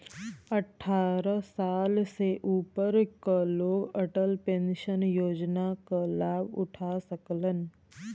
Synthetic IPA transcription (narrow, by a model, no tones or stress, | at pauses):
ɐʈʰːaːɾəsaːlseʔuːpəɾkaloːɡəʈəlpẽnʃənjoːd͡ʒnakalaːbʊ̰ʈʰasəklən